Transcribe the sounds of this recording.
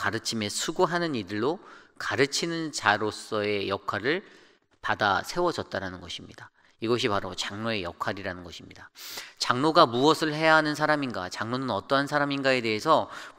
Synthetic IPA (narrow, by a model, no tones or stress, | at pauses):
kaɾɯt͡ɕʰime̞sʰuɡuɦanɯnidɯɭːokaɾɯt͡ɕʰinɯnt͡ɕaɾos͈ʌe̞jʌkʰaɾɯɭ | pada̰sʰe̞wʌd͡ʑʌt̚t͈aɾanɯnɡʌɕʰimɲida | iɡʌɕ̬ʰipaɾot͡ɕaŋnoe̞jʌkʰwaɾiɾanɯnɡʌɕʰimɲidat͡ɕaŋnoɡamuʌsʰɯɭɦe̞jaɦanɯns̬ʰaɾaminɡa̰t͡ɕaŋnonɯnʌt͈ʌɦansʰaɾaminɡae̞de̞ɦesʰʌ